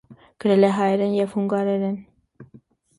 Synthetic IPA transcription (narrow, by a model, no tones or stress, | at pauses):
ɡ̥əɾɛlɛɦɑjɛɾɛnjɛvhuŋɡɑɾɛɾɛn